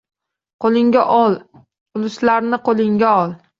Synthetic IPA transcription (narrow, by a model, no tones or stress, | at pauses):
qʰolˠɪŋɡʲaʔɒlˠ | ʊlʊslaɾnɪqʰolˠɪŋɡʲaɒlˠ